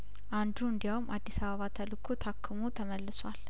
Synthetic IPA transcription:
ʔand̪uɨnd̪ijawmʔad̪ːisaβəβat̪ʰəlɨkʰut̪ʰakʰːɨmot̪ʰəməlːɨswal

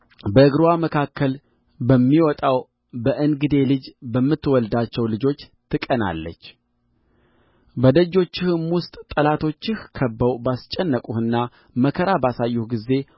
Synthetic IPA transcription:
bəɨɡɾuwaməkʰakːəl | bəmːiwɔt̪ʼaw | bəʔɨnɡɨd̪e̞lɨd͡ʒbəmːɨt̪ːwɔld̪at͡ʃːɛwlɨd͡ʒo̞t͡ʃː | t̪ʰɨkʼəna̰lːə̰t͡ʃː | bəd̪əd͡ʒːo̞t͡ʃːɪhɨmwʊst̪ʼt̪ʼəlat̪ʰo̞t͡ʃːɪhkʰəbːəwbast͡ʃʼɛnːəkʼuhɨnːa | məkʰəɾabasajːuhɡize̞

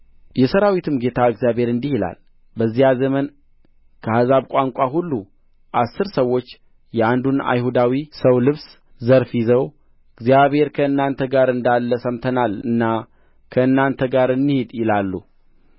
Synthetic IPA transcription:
jɛsəɾawit̪ʰɨmɡe̞t̪ʰaɨɡzijabhe̞ɾɨnd̪ihila̰l | bəzːijazəmən | kʰəhazaβkʷʼaŋkʷʼaɦulːu | ʔasːɨɾsəwːo̞t͡ʃː | jɛand̪una̰jhud̪awisəwlɨβs | zəɾfizəw | ɨɡzijaβhe̞ɾkʰəɨnːant̪ʰəɡaɾɨnd̪alːəsəmt̪ʰənalɨnːa | kʰəɨnːant̪ʰəɡaɾɨnːɨhid̪jɪlalːu

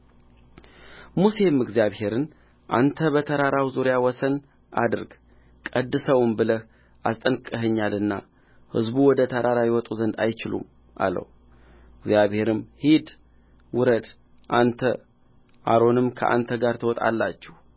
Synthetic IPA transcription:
muse̞mɨɡzjaβhe̞ɾɨn | ʔant̪ʰəbət̪ʰəɾaɾawzuɾijawɔsən | ʔa̰d̪ɨɾɡ | kʼəd̪ːɨsəwmbɨləh | ʔast̪ʼənkʼəɦɨɲːalɨnːa | hɨ̰zbuwɔd̪ət̪ʰəɾaɾajɛwɔt̪ʼuzənd̪ajt͡ʃɪlṵm | ʔa̰lə̰w | ɨɡzjaβhe̞ɾɨmhid̪ | wɨɾəd̪ | ʔant̪ʰə | ʔaɾo̞nɨmkʰə̰ʔa̰nt̪ʰəɡaɾt̪ʰəwɔt̪ʼa̰lːat͡ʃːɛh

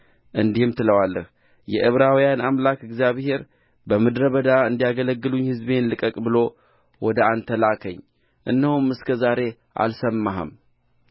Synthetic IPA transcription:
ʔɨnd̪ihɨmt̪ʰɨləwalːə̰h | jɛ̰ʔɨβɾawijanamlakɪɡzjaβhe̞ɾ | bəmɨd̪ɾəβəd̪aɨnd̪ijaɡələɡːɨluɲhɨzbenlɨkʼəkʼbɨlo̞ | wɔd̪əant̪ʰəlakʰəɲː | ʔɨ̰nːəhumɨskʰəzaɾe̞ | ʔa̰lsəmːaɦə̰m

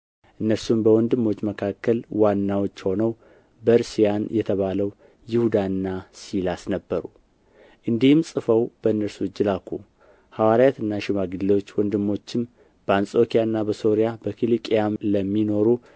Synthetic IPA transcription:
ʔɨnːəɾsumbəwɔnd̪ɨmːo̞t͡ʃːməkʰakːəlwanːawot͡ʃːho̞nəw | bəɾsijanjɛt̪ʰəβaləw | jɪhud̪aɨnːasilasnəbːəɾu | ʔɨnd̪ihɨmsʼɨfəwb̥əɨnːəɾsud͡ʒːɨlakʰːu | hawaɾajat̪ɨnːaʃɪmaɡɨlwot͡ʃːwɔnd̪ɨmːo̞t͡ʃːɪm | b̥əansʼo̞kʰijaɨnːabəso̞ɾijabəkʰilikʼjamləmːino̞ɾu

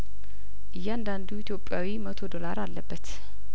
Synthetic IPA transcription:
ʔɨjːɛand̪and̪uit̪ʰjo̞pʼːjawimət̪ʰo̞d̪o̞laɾalːəbːət̪

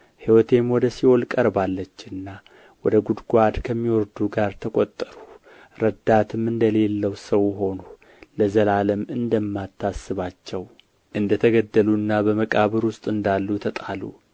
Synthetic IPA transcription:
hiwɔt̪ʰe̞mwɔd̪əsiolkʼəɾbalːət͡ʃːɨnːa | wɔd̪əɡud̪ɡʷad̪kʰəmːiwɔɾd̪uɡaɾt̪ʰəkʼot̪ʼːəɾu | ɾəd̪at̪ʰɨmɨnd̪əle̞lːəwsəwɦo̞nu | ləzəlaləmɨnd̪əmːat̪ʰːasːɨβat͡ʃːɛw | ʔɨnd̪ət̪ʰəɡəd̪ːəluɨnːabəməkʼaβəɾwʊst̪ʼɨnd̪alːut̪ʰət̪ʼalṵ

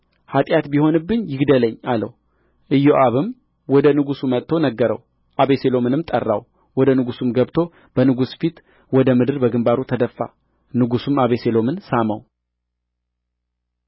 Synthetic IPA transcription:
hat̪ʼjat̪biho̞nɨbːɨɲjɪɡd̪ələɲːalə̰w | ʔɨjoʔaβɨm | wɔd̪ənɨɡusumət̪t̪ʰːonəɡːəɾə̰w | ʔaβe̞selo̞mɨnɨmt̪ʼərːa̰w | wɔd̪ənɨɡusumɡəβt̪ʰo̞ | b̥ənɨɡusfit̪ | wɔd̪əmɨd̪ɨɾbəɡɨmbaɾut̪ʰəd̪əfːa̰ | nɨɡusumaβese̞lo̞mɨnsaməw

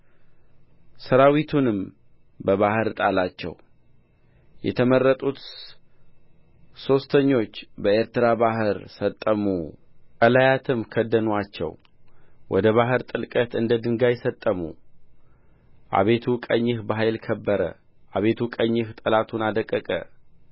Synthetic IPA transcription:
səɾawit̪ʰunɨm | bəβahɨɾt̪ʼalat͡ʃːɛ̰w | jɛ̰t̪ʰəmərːət̪ʼut̪ | so̞st̪ʰəɲːo̞t͡ʃːbəeɾt̪ɨɾabaɦɨɾsət̪ʼːəmukʼəlajat̪ʰɨmkʰəd̪ːənwat͡ʃːɛ̰w | wʔɔd̪əβaɦɨɾt̪ʼɨlkʼət̪ɨnd̪əd̪ɨŋɡajɛsət̪ʼːəmṵ | ʔa̰βe̞t̪ʰukʼəɲːɪhbəɦajlkʰəbːəɾə̰ | ʔaβe̞t̪ʰukʼəɲːɨht̪ʼəlat̪ʰunad̪əkʼːəkʼə̰

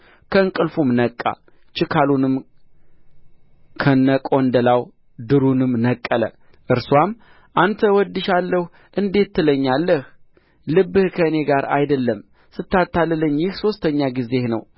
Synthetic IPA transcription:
kʰəɨŋkʼɨlfumnəkʼːa̰ | t͡ʃɪkʰalunɨm | kʰənːəkʼond̪əlaw | d̪ɨɾunɨmnəkʼːələ̰ | ʔɨɾswam | ʔant̪ʰəwɔd̪ːɨʃalːəh | ʔɨnd̪e̞t̪ːɨləɲːalːəh | lɨbːɨhkʰəne̞ɡaɾa̰jd̪əlːəm | sɨt̪ːat̪ːalːɨlːəɲːjɪhso̞st̪ʰəɲːaɡize̞hnə̰w

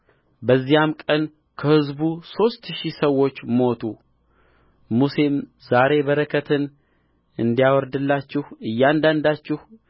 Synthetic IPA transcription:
bəzːijamkʼən | kʰəhɨzbuso̞st̪ʃisəwo̞t͡ʃːmo̞t̪ʰu | musem | zaɾe̞βəɾəkʰət̪ʰɨn | ɨnd̪ijawɔɾd̪ɨlːat͡ʃːɪhɨjːand̪and̪at͡ʃːɪh

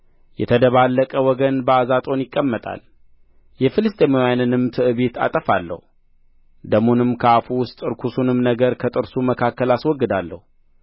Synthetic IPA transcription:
jɛt̪ʰəd̪əβalːəkʼəwɔɡənbəazat̪ʼo̞njɪkʼːəmːət̪ʼa̰l | jɛfɨlɨst̪ʼemojanɨnɨmt̪ʰɨʔɨβet̪ʰa̰t̪ʼəfalːə̰hu | d̪əmonɨmkʰəafuwʊst̪ʼɨɾkʰusunɨmnəɡəɾkʰət̪ʼɨɾsuməkʰakːəlaswɔɡːɨd̪alːə̰hu

